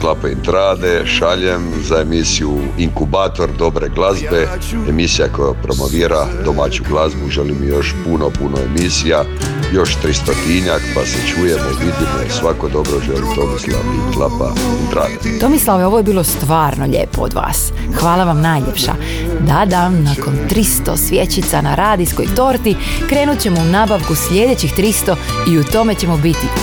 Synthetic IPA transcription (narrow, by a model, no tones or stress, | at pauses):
klˠapaḭnt̪ɾaːd̪e̞ʃaʎem | zaemisiu | iŋkubaːt̪o̞ɾd̪o̞bɾe̞ɡlazbe̞ | emisijakojapɾo̞mo̞ʋiːɾad̪o̞mat͡ɕuɡlˠazbuʒelimijo̞ʃpuno̞punoḛmisija | jo̞ʃt̪ɾist̪ot̪iɲakpaset͡ʃuje̞moiʋid̪imosʋakod̪o̞bɾoʒelimt̪o̞mislˠa̰ʋḭklapa̰it̪ɾa̰ːd̪at̪o̞mislˠaʋeo̞ʋoje̞biːlˠo̞st̪ʋaːɾno̞ʎḛːpood̪ʋa̰ːs | xʋaːlˠaʋamnaːjʎḛpʃa̰ | d̪ad̪amnako̞nt̪ɾist̪o̞̰sʋje̞t͡ɕit̪sanaɾaːd̪isko̞jt̪o̞ːɾt̪i | kɾe̞ːnut̪̚ʲt͡ɕe̞mounaːbaʋkusʎʲe̞d̪et͡ɕixt̪ɾist̪o̞iut̪o̞me̞t͡ɕe̞mobit̪i